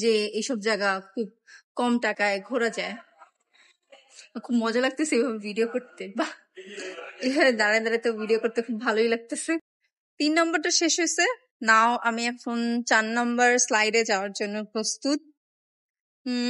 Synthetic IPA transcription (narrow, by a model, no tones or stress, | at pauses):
d͡ʑeejʃɔbd͡ʑaɡakʰub̚ | kɔmʈakaeɡʱoɾad͡ʑae | kʰubmɔd͡ʑalaɡ̚t̪esejbʱabebʱiɖiokoɾt̪eba | ebʱabed̪aɾed̪aɾat̪obʱiɖiokoɾt̪ekʰubʱaloijlaɡ̚t̪ese | t̪inːɔmbaɾʈaʃeʃɦojse | naoʔamiɛkʰont͡ɕanːɔmbaɾslajɖed͡ʑaoaɾd͡ʑonːopɾost̪ut̪̚